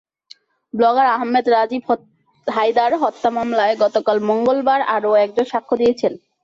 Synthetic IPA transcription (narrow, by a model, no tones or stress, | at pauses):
blɔɡaɾaɦmːed̪ɾad͡ʑib | ɦajd̪aɾɦɔt̪ːamamlaeɡɔt̪okalmoŋɡolbaɾaɾoɛk̚d͡ʑonʃakʰːod̪ijet͡ɕʰen